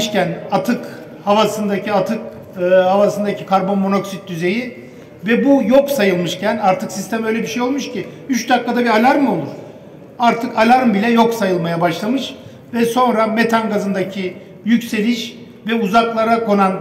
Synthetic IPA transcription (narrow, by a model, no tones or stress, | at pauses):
ʃcænat̪ʰɯk | havasɯnd̪acʰiat̪ʰɯkː | havasɯnd̪acʰikʰaɾbo̞nmo̞no̞ksit̪̚d̪yze̞ji | vɛbujoksajɯlˠmɯʃcʰænaɾt̪ʰɯksist̪ʰɛmø̞jlʲɛbiʃejo̞lˠmuʃcʰiyt͡ʃd̪akːad̪abialʲaɾmo̞lˠuɾ | aɾt̪ʰɯkalʲaɾmbilʲɛjo̞ksajɯlˠmajabaʃlˠamɯʃ | vɛso̞nɾame̞t̪ʰanɡazɯnd̪acʰi | jycse̞lʲiʃ | vɛuzaklˠaɾako̞nan